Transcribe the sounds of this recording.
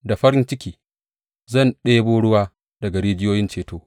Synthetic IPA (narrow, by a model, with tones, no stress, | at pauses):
da˨ɸɐ˦ɾɪ˦nt͡ʃɪ˦kʲiː˨ | zɐ˦˨nɗeː˦boː˦ɽʊ˦waː˦ | dɐ˨ɡa˨ɽeː˦d͡ʒɪ˦joː˦jɪ˦nt͡ʃeː˨toː˦